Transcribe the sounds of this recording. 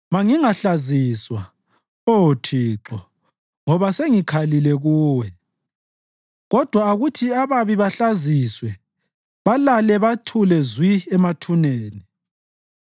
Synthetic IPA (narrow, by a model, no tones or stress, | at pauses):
maŋiŋaɬaziswa | otʰiːǁɔ | ŋɔβaseŋikʰalilɛɣuːwɛ | ɣɔd̥ʱwaːɣutʰiaβaβiβaɬaziswɛ | βalalɛβatʰulɛzwiɛmatʰuneːni